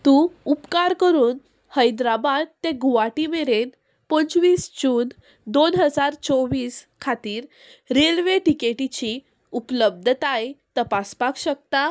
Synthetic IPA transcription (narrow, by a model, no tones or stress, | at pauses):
t̪ũupkaɾkəɾuːn | həjd̪ɾabad̪̚t̪ẽɡuʋaʈimeɾen | pət͡sʋiːsd͡ʑuːn | d̪onɦəd͡zaɾt͡sɔʋiːskʰat̪iːɾ | ɾelʋeʈikeʈit͡ɕi | upləb̚d̪ʱt̪ajt̪əpaspakɕək̚t̪a